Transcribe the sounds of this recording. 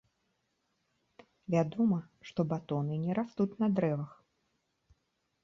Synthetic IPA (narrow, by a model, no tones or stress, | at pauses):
vʲad̪ɔmɐ | ʂt̪ɔbat̪ɔnɨnʲɛɾast̪ut̪ʲnɐd̪ɾɛvɐx